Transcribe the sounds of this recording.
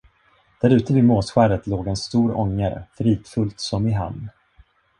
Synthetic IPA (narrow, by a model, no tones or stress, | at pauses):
d̪̥æɾʉ̟ːt̪əvɪmoːt̪ɧæːɾət̪loːɡɛnst̪uːɾɔŋːəɾfɾiːt̪fɵlt̪sɔmɪɦa̰mn